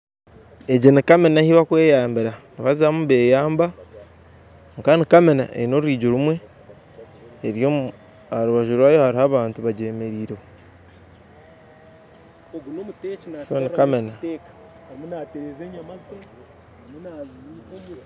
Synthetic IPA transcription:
e̞ɟinikamenahiβakwe̞ːjaːmbiɾaniβazamuβe̞ːjaːmba | ŋkanikamena̰ʔḛino̞ɾwiːɟuɾumwe̞ | eɾjo | haɾuβaʒuɾwaːjohaɾihaβaːntuβaɟe̞ːme̞ɾiːɾeho | oɡunomutet͡ʃinakonikamenatekḁ | munateɾezeɲamaze | munaːzii

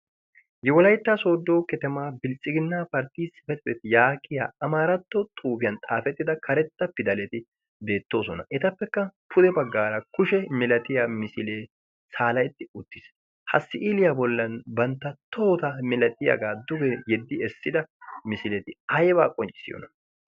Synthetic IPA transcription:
jɛwɔlɐjt̪ːaso̞ːd̪ːo̞ːkɛt̪ɛmaːbɪlt͡sʼːɪɡɪnːaːpɐɾt̪iːsɪfɛt̪bɛt̪ɪjaːkʰʼːɪja̰ːɐmaːɾɐt̪ːɔt̪ʼuːbɪjɐnt̪ʼaːfɛt̪ːɪd̪ɐkʰɐɾɛt̪ːɐpːɪd̪ɐlɛt̪ɪ | be̞ːt̪ːo̞ːsɔnɐ̰ʔɛt̪ɐpːɛkːɐpʰʊd̪ɛbɐɡːaːɾɐkʊʃɛmɛlɐt̪ɪjamɪsɪleː | saːlɐjt̪ːɪʊt̪ːɪs | hɐsːɪʔilɪjabɔlːɐnbɐnt̪ːɐt̪ʰoːt̪ɐmɛlɐt̪ʼːɪjɐ̰ɡaːd̪ʊɡɛjɛd̪ːɪɛsːɪd̪ɐmɪsɪlɛt̪ɪɐjba̰ːkʼɔnt͡ʃʼːɪ̥sɪ̰jo̰ːnɐ

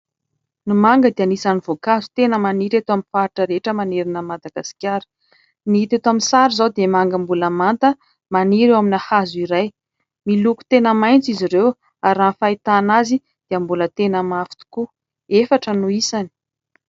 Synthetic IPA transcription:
nimaŋɡəd̪ianisaniv̥okazu̥t̪enəmaniɾet̪oaminfaiʈ͡ʂəɾeʈ͡ʂəmaneɾinəmad̪aɡasi̥kʲjaɾə̥ | niit̪et̪aminsaɾizawd̪emaŋɡəmbuləmant̪ə | maniɾewaminahazuiɾaj | miluku̥t̪enəmajnt͡siziɾew | aɾafait̪anazi | d̪̥eəmbulət̪enəmafi̥t̪u̥ku | efaʈ͡ʂənuisani̥

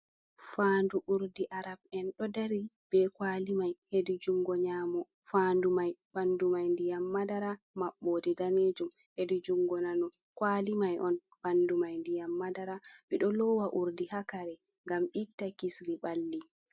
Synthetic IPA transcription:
fanduʔuɾdiʔaɾab̚ɛnɗɔdaɾib̥ɛkwaːlimajhedid͡ʒuŋɡɔɲaːmɔ | faːndumajb̥andumajndijamːadaɾa | maɓːoːdidaned͡ʒum | hedid͡ʒuŋɡɔnanɔ | kwalimajʔɔn | b̥andumajndijamːadaɾaɓɛɗɔlɔwaʔuɾdihakaɾɛ | ŋɡamʔitːakisɾibalːi

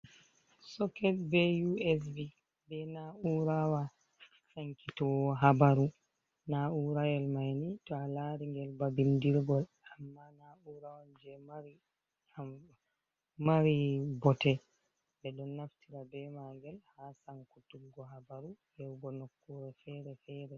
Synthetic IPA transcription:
sɔkɛtbejuɛs̬bi | bɛnauɾawa | saŋkitɔwɔɦabaɾu | nauɾajɛlmajnitɔalaɾiŋɡɛlbabindiɾɡɔl | amːanauɾawand͡ʒɛmaɾi | maɾibɔtɛ | bɛɗɔnːaftʰiɾabɛmaŋɡɛlhasaŋkutumɡɔhabaɾuhɛwɡɔnɔkːɔɾɛfɛɾɛfɛɾɛ

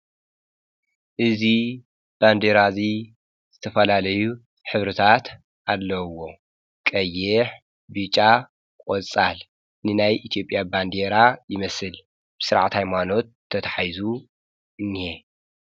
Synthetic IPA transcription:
ʔɨzi | b̥and̪eɾazi | z̥ɨt̪ʰɐfɐlalɐju | ħɨβɾɨt̪ʰat̪ | ʔalːɐwo̞ | kʼɐjːeħ | bɨt͡ʃʼːa | kʼot͡sʼal | nɨnajʔit̪ʰijo̞pʼjaband̪eɾajɪmɐsɨl | b̥ɨsɨɾaʕt̪hajmano̞t̪ʰːɐt̪ʰɐħajzu | ɨnːihe

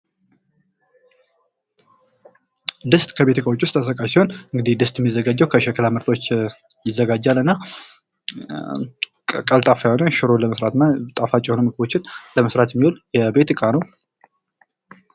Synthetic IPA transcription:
d̪ɨst̪ʼkʰəβe̞t̪ʰɨkʼawot͡ʃːwʊst̪ʼːas̬əkʼajsiho̞nɨŋɡɨd̪ihd̪ɨst̪ʼjɛmːizːəɡad͡ʒːɛəwkʰəʃɛkʰəlamɨɾt̪ʰot͡ʃː | jɪzːəɡad͡ʒːalɨnːa | kʼəlt̪ʼafajonəʃɪɾo̞ləməsɾat̪t̪ʼafat͡ʃʼːɛho̞nəmɨɡɨbo̞t͡ʃːɪnləməsɾat̪jɛmːiwoljɛbe̞t̪ɨkʼanəw

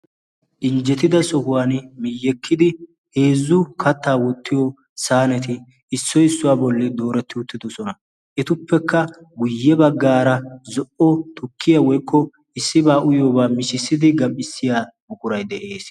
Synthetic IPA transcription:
ɗɪnd͡ʒɛt̪ɪd̪ɐsɔhʊwaːnmɪjːɛkʰːɪd̪ɪ | he̞ːzːʊkʰɐt̪ːaːwɔt̪ːɪjɔ | saːnɛt̪ɪː | sːɔɪsːʊwaːbɔlːɪd̪o̞ːɾɛt̪ːɪʊt̪ːɪd̪ɔsɔnɐ | ʔɛt̪ʊpːɛkːɐ | ɡʊjːɛbɐɡːaːɾɐzɔʔɔt̪ʰʊkʰːɪjawɔjkʰːɔ | ɪsːɪbaːʔʊjoːbaːmɪʃɪsːɪd̪ɪɡɐpːɪsːɪjaːmʊkʊɾɐjd̪ɛʔe̞ːs

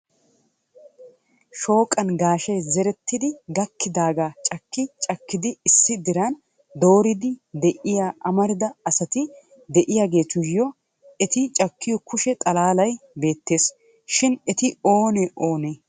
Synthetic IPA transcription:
ʃo̞ːkʼɐnɡaːʃɐjzɛɾɛt̪ːɪd̪ɪɡɐkːɪd̪aːɡaːt͡ʃʼɐkːɪt͡ʃʼɐkːɪd̪ɪɪsːɪd̪ɪɾan | d̪o̞ːɾɪd̪ɪd̪ɛʔɪjaːʔɐmɐɾd̪ɐɐsɐt̪ɪ | d̪ɛʔɪjaːɡe̞ːt̪ʊjjɔ | ɛt̪ɪt͡ʃʼɐkʰːɪjɔkʊʃɛt̪ʼɐlaːlɐjbe̞ːt̪ːe̞ːs | ʃɪnɛt̪ɪo̞ːnɛʔo̞ːneː

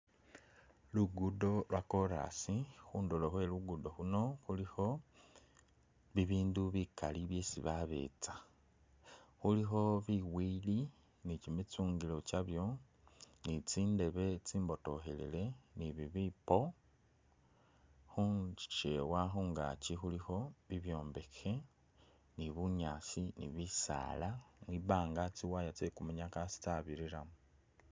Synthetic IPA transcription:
luɡudo̞lwako̞ɾa̰sixuːndoloxwe̞luɡudo̞xuno̞xulixo̞ | βiβiːnduβikaliβje̞sḭβaβe̞̰t͡sḁ | xulixo̞βiwili | nicimit͡suːŋɡilo̞t͡ʃaβjo̞ | nit͡siːnde̞βe̞t͡siːmbo̞to̞xelḭle̞niβiβipo̞ | xuɲt͡ʃi̥t͡ʃewaxuːŋɡa̰t͡ʃixulixo̞βiβjo̞ːmbe̞ke̞ | niβuɲaːsinḭβisa̰ːlamwiβaːŋɡat͡siwajat͡sekumuɲakasi̥t͡saβiɾiɾamu

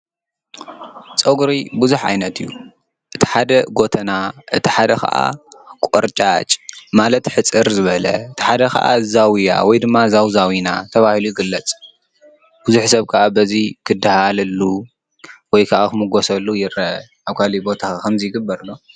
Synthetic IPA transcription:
t͡sʼɐɡɾibuzuħʕa̰jnɐt̪ɨjːu | ʔɨt̪ʰi̥ħad̪ɐɡo̞t̪ʰɐnaʔɨt̪ʰi̥ħad̪ɐxʰɐ̰ʔa̰kʼoɾt͡ʃʼat͡ʃʼmalɐt̪ħɨt͡sʼɨɾzɨβɐlɐ̰ɨt̪ʰi̥ħad̪ɐxɐ̰ʔa̰zawja̰wɔjd̪ɨmːazawzawinat̪ʰɐβahilujɪɡɨlːɐt͡sʼ | b̥uzuħsɐβkʰɐʔabɐzikʰɨd̪ːɨhalɐlːu | wɔjkʰaʔakɨmɨɡosɐlːujɪɾɐʔaβkʰalibo̞t̪ʰakʰɐmzɨjɪɡɨbːɐɾlːo

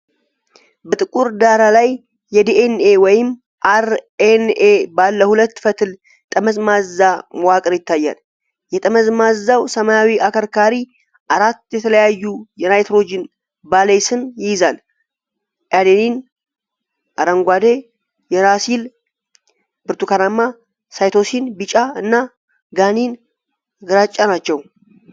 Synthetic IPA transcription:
bət̪ʼɨkʼuɾd̪aɾalajː | ɛd̪eʔenewɔjɪm | ʔaɾenebalːəhulət̪ːfət̪ʰɨl | t̪ʼəməzmazamwakʼɾjɪt̪ʰːajːa̰l | jɛt̪ʼəməzmazːawsəmajawiʔakʰəɾkʰaɾi | ʔaɾat̪ːjɛt̪ʰələjajːujɛnajt̪ɾo̞d͡ʒɪn | balejsɨnjɪjzal | ʔad̪enin | ʔaɾəŋɡʷad̪e | jɛɾasil | b̥ɨɾt̪ukʰanamːa | sajt̪o̞sinbit͡ʃʼaɨnːa | ɡanin | ɡɨɾat͡ʃʼːanat͡ʃːɛw

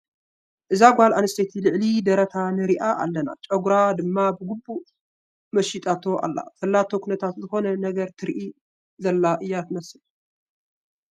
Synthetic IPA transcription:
ʔɨzaɡʷalanɨst̪ʰet̪ʰilɨʕlid̪ɐɾɐt̪ʰanɨɾiʔaʔa̰lːɐna̰t͡ʃʼɐɡɾad̪ɨmːabɨɡubu | mɐʃit̪ʼat̪ʰo̞ʔa̰lːa̰fɐlːat̪ʰo̞kʰunɐt̪ʰat̪zɨxo̞nɐnɐɡɐɾt̪ʰɨɾʔi | zɐlːaʔɨjːat̪mɐsɨl

